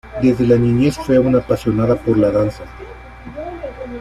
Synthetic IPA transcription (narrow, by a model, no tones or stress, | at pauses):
d̪ezðelaniɲjesfweunapasjonaðapoɾlaðansa